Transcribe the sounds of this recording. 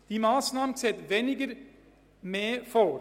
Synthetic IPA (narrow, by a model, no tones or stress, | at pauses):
d̪̥iːmɑːsnɑːmən̩sɛt̪ʋɛnɪɡəɾ | meːfɔ